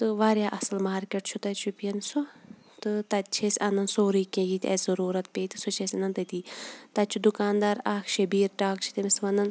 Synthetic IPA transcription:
t̪ɨʋaːɾjaːʔɐsɨlmaːɾkʲeʈt͡ʃʰut̪ɐt͡ʃʰupiɐnsu | t̪ɨt̪ɐt̪̚t͡ʃʰesʲɐnɐnsoːɾiːkʲẽjit̪ʲɐ̰ːszɐɾuːɾɐt̪̚pʲeːt̪isut͡ʃʰesʲɐnɐnt̪ɐt̪iːt̪ɐt̪t͡ʃʰud̪ukaːnd̪aːɾaːkʰʃɐbiːɾʈaːkt͡ʃʰi̥t̪emisʋɐnɐn

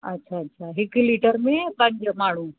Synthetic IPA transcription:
ɐtːɕʰaɐtːʃʰaɦɪkliːʈəɾmẽpɐ̃ɲd͡ʑmaːɳ̤ũ

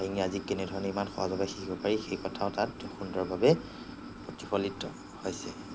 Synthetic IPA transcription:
aiŋiazikɛnɛdʱɔɹɔnɛimanxɔ̰a̰zɔbaxikʰibɔpaɹixejkɔtʰaʊtatxundɹɔɹbabɛ | potipʰɔlitɔ | hojsɛ

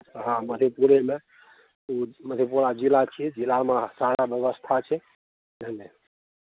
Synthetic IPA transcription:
ɦãməd̪ʱepuɾeme | uməd̪ʱepuɾad͡ʒilat͡ʃʰid͡ʒilamesaɽabjəbəst̪ʰat͡ʃʰɛ | dəne

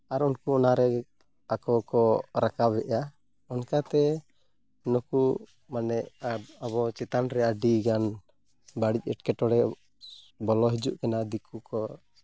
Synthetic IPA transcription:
aɾɔnkuɔnaɾɛ | akɔkɔɾakabɛʔa | ɔnkat̪ɛ | nɔku | manɛʔaβɔt͡ʃɛt̪anɾɛaɖiɡan | baɽic̚ɛʈkɛʈɔɽɛ | bɔlɔɦid͡ʒuʔkɛnad̪ikukɔ

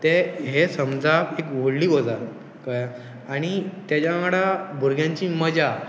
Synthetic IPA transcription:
t̪eɦesə̃md͡zapekʋoɽliːɦod͡zaɾ | ka | aɽ̃it̪jat͡ɕamaɽabʱuɾɡjãɲt͡ɕiːməd͡ʑa

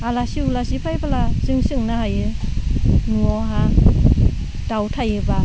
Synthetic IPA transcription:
alasiulasipʰajbalasɯŋsɯŋnahajɯ | nuɔɦa | dawtʰajɯba

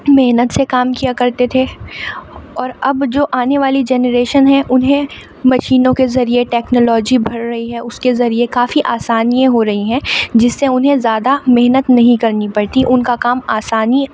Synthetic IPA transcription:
meɦnət̪sekaːmkijakɐɾt̪et̪ʰe | ɔːɾɐbd͡ʒoːʔaːneʋaːlid͡ʒɛːnəɾeːʃənɦɛ̃ʔʊnɦẽ | mɐʃiːnõkezɐɾieʈɛːknoːlɔːd͡ʒibʱɐɽɾɐɦiɦɛʊskezɐɾiekaːfiʔaːsaːnijẽɦoɾɐɦiɦɛ̃ːd͡ʒɪsːeʊnɦẽzjaːd̪ameɦnət̪nɐɦĩkɐɾnipɐɽt̪iʔʊnkakaːmaːsaːni

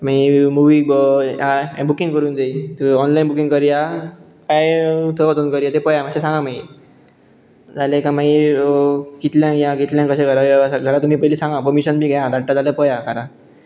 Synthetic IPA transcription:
maimuʋiːãbukĩŋɡkəɾuːnd͡zait̪ɔnlainbukĩŋɡkəɾja | kajt̪ʰəʋət͡sunkəɾjat̪epəjamaɕẽsãŋɡamai | d͡zalẽkãmai | kit̪ljãkjãkit̪ljãkːəɕeɡəɾasaɡʱəɾat̪ːum̤iːpəjlisãŋɡapəɾmiɕənbʱiːɡajad̪aɽʈad͡zaljapəjakaɾã

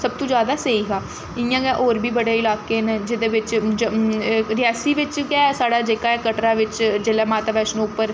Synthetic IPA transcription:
səb̚t̪õːd͡ʒjaːd̪aːseiːɦaː | ɪjãːɡɛːʔoːɾbʱiːbəɽeːɪlaːkeːned͡ʒɪd̪eːʋɪt͡ʃd͡ʒɾɪaːsiːʋɪt͡ʃɡɛːsaːɽaːd͡ʒeːkaːɛːkəʈɾaːʋɪt͡ʃd͡ʒeːlɛːmaːt̪aːʋɛːʃñːʊpːəɾ

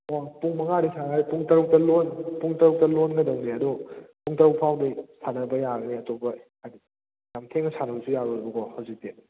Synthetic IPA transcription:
apuŋmɐŋaɾisaŋajpuŋtɐɾuk̚tɐlonpuŋtɐɾuk̚tɐlonɡɐdɐŋdeɐdɔpuŋtɐɾuk̚pʰawdɐsʰanɐbɐjaɡɐniɐtopɐhajdi | jamtʰeŋnɐsanɐbɐsujaɾuɾibɐkohawzik̚te

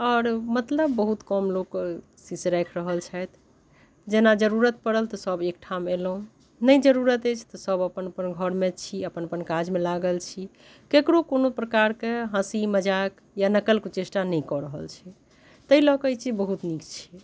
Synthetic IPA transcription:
ɔːɾmət̪ləbːəɦut̪kɔmlok | sisɾɛkʰɾəɦəlt͡ʃʰɛt̪ʰ | d͡ʒenad͡ʒəɾuɾət̪̚pəɽəlt̪ɔsəbek̚ʈʰamelɦũ | nəjd͡ʒəɾuɾət̪et͡ʃʰt̪ɔsəbəpənəpənɡʱəɾmet͡ʃʰiəpənəpənkad͡ʒmelaɡəlt͡ʃʰi | kekɾokonopɾəkaɾkeɦãsiməd͡ʒak | janəkəlkot͡ʃesʈanəjkɔɾəɦə̰lt͡ʃʰɛ | t̪əilɔkəjt͡ʃʰibəɦut̪nikt͡ʃʰi̥

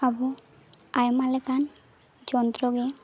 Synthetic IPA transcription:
abu | ajmalekan | d͡ʒɔnd̪ɾoɡe

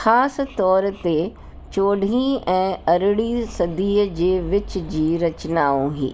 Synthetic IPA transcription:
xaːs̆t̪ɔːɾt̪e | t͡ɕoːɖʱĩɛ̃ːɐɾɪɽisɐd̪iːd͡ʑeːʋɪt͡ɕ̆d͡ʑiːɾɐt͡ɕnaːũɦḭː

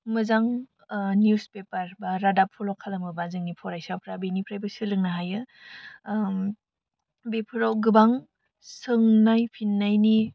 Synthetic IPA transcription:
mɯzaŋ | njuspepaɾbaɾadapʰɔlɔkʰːalamɯbazɯŋnipʰɔɾajsawpʰɾabenipʰɾajbɐsɯlɯŋnaɦajɯ | bepʰɯɾawɡɯbaŋ | sɯŋnajpʰinːajni

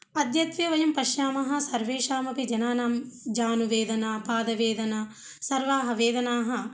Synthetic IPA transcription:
ɐd̪jɐt̪ʋjɐʋɐjɐmpɐʃjaːmɐɦɐ̆sɐɾʋeːʃaːmɐpid͡ʒɐnaːnaːmd͡ʒaːnuʋeːd̪ɐnaːpaːd̪ɐʋeːd̪ɐna | sɐɾʋaːɦɐʋeːd̪ɐnaːɦɐ̆

